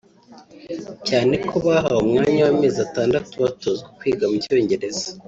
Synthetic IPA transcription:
caːne̞kʰoβaɦawomŋaːɲawame̞ːzataːndatuβatozɡekwiːɡamuco̞ɲɟe̞ɾe̞zḁ

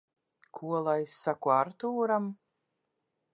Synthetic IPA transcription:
kʰuɔlˠajsːakuaɾt̪uːɾam

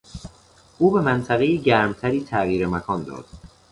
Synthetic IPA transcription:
ʔuːbe̞mænt̪ʰæɣejiɟæɾmt̪ʰæɾiːt̪ʰæɣiːɾemækʰɒːnd̪ɒ̰ːd̪̥

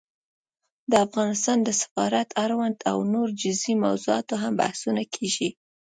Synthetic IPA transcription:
d̪əafɣɑnɪst̪ɑnd̪əsɪ̥fɑɾat̪ʰaɾwand̪a̰wnoɾd͡ʒɪzimawzoɑ̰t̪oɦamba̰hsunakʰeʒi

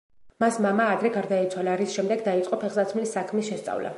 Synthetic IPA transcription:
masmamaːd̪ɾɛɡaɾd̪ait̪sʰwalaɾisʃɛmd̪ɛɡd̪ait̪sʼqʼɔpʰɛʁzat̪sʰmilisːakʰmisʃɛst̪sʼa̰vla̰

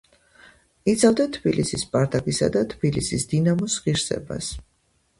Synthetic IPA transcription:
it̪sʰavd̪at̪ʰbilisispʼaɾd̪ʼaɡisa̰d̪at̪ʰb̥ilisisd̪inamɔsʁiɾsɛ̰ba̰s

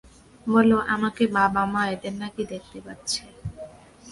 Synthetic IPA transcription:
bɔloʔamakebabamaet̪enːakid̪ek̚ʰt̪epatːɕʰe

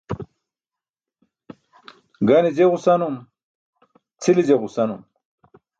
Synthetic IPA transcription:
ɡanid͡ʑeʁusanum | t͡sʰilid͡ʑeʁusɐnum

